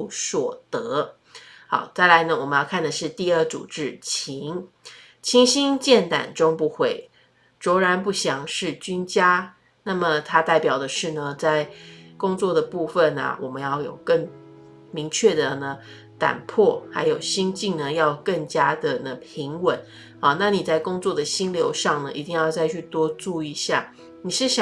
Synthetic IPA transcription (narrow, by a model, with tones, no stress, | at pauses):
swɔ˨˩t̪ɤ˧˦ | xɑ˨˩˦ʊt͡sa˥˩ɪla˧˥ɪnə˧wɔ˨˩mə˦jɑ˥˧ʊkʰa˥˩nd̪ə˩ʂɻ̩˥˧t̪i˥˧ə˥˩t͡sṵ˨˩ʈ͡ʂɻ̩˥˩t͡ɕʰi˧˥ŋ | t͡ɕʰi˥ŋɕi˥ŋt͡ɕjɛ˥˩nt̪a̰˨˩nʈ͡ʂʊ˥ŋpu˧˥xwe˥˩ɪ | ʈ͡ʂɔ˧˥ʊɻa˧˥npu˥˩ɕjɑ˧˥ŋʂɻ̩˥˩t͡ɕy˥nt͡ɕja˥ | na˥˩mə˨˩t̪ʰa˥t̪a˥˩ɪpjɑ˨˩ʊd̪ə˩ʂɻ̩˥˩nə˩t͡sa˥˩ɪkʊ˥ŋt͡swɔ˥˩d̪ə˩pu˥˧fə˥˨nɐ̰˨˩wʔɔ˨˩mə˦njɑ˥˩ʊjo̰˨˩ʊkə˥˩ŋ | mi˧˥ŋt͡ɕʰɥɛ˥˩d̪ə˩nə˩˦ | t̪a̰˨˩npʰɔ˥˩xa˧˥ɪjo˨˩ʊɕi˥nt͡ɕi˥˩ŋnə˨jɑ˥˧ʊkə˥˩ŋt͡ɕja˥d̪ə˨nə˨˩pʰi˧˥ŋwə˨˦n | ɐ˨na˥˩ni˨˩t͡sa˥˩ɪkʊ˥ŋt͡swɔ˥˩d̪ə˩ɕi˥nljo˧˥ʊʂɑ˥˩ŋnə˩ʔi˧˥t̪i˥˧ŋjɑ˥˧ʊt͡sa˥˧ɪt͡ɕʰy˥˧t̪wɔ˥ʈ͡ʂu˥˧i˧ɕja˥˩ | ni˨˩ʂɻ̩˥˩ɕɑ˨